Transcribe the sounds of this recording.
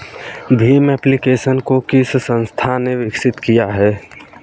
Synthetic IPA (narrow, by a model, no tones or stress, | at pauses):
bʱimɛplikeːsənkokɪssə̃nst̪ʰaneʋɪksɪt̪kijaɦɛː